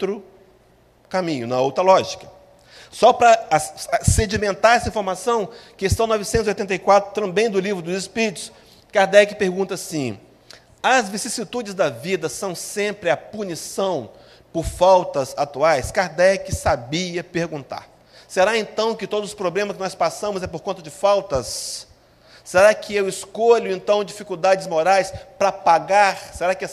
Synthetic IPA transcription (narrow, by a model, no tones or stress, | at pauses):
t̪ɾʊ | kamĩɲʊnɐowt̪ɾɐlɔʒikɐ̥ | sɔpɾɐ | sed͡ʒimẽnt̪aɾɛsɐĩfoɾmasɐ̃w̃kest̪ɐ̃w̃nɔvɪsẽt̪zojt̪ẽnt̪ɐjkwat̪ɾʊt̪ɐ̃mbẽj̃d̪ʊlivɾʊd̪ʊzispid͡ʒt̪ʊ̥s | kaɾd̪ɛkɪpeɾɡũnt̪ɐasĩ | ɐzvisisit̪ud͡ʒɪzd̪ɐvid̪ɐsɐ̃w̃sẽmpɾɪɐpunisɐ̃w̃ | pʊɾfawt̪ɐzat̪uajskaɾd̪ɛkɪsabiɐpeɾɡũt̪a̰ɾ | seɾaẽnt̪ɐ̃w̃kɪt̪od̪ʊzʊspɾoblẽmɐskɪnɔspasɐ̃mʊzɛpoɾkõnt̪ɐd͡ʒɪfawt̪ɐs | seɾakɪewɪskoʎʊẽnt̪ɐ̃w̃d͡ʒifikuwd̪ad͡ʒɪzmoɾajspɾɐpaɡaɾseɾakɪ